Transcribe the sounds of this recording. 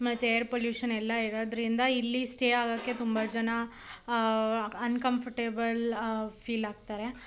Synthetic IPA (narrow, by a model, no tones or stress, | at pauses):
mɐt̪ːejɐɾpoljuːʃɐnɛlːɐiɾoːd̪ɾind̪ɐilːisʈeːaːɡɐkːe̞t̪umbɐd͡ʒɐnɐ | ɐnkɐmpʰɐʈeːbɐlpʰiːlaːɡ̚t̪aːɾe̞